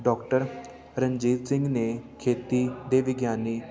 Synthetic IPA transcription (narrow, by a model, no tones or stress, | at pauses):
ɖɔːkʈəɾ | ɾəɲd͡ʒiːt̪sɪ̃ŋɡneːkʰeːt̪iːd̪eːʋɪɡjaːneː